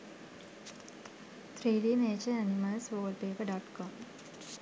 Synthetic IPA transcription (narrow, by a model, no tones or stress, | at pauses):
t̪ʰɾiːliːmeːt͡ʃeɐnimaːsʋoːlpeːpɐɖaːʈkoːm